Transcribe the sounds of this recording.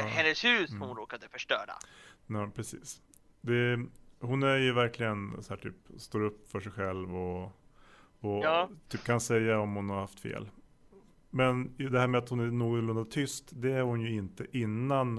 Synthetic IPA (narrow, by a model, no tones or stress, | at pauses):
ɛnːəshʉ̟ːsɔʊnɾoːkad̪əfœʂʈœ̰ːɖa̰ɔːpʰɾɛsḭːs | d̪ɛhʊnæɾjɵvæɾklɪɡənsɔæːʈʰy̰ːpst̪oːɾɵpːfœʂɛjɧɛlvɔ | ɔt̪ʰyːp̚ːkʰansɛjːaɔmhʊnhaɾhaft̪fḛːl | mɛnd̪ɛhæːɾmɛat̪hʊnæɾnuːɡ̪lɵnd̪ad̚t̪ʰʏst̪d̪ɛæɾhʊnjɵɪnt̪əʔɪnːan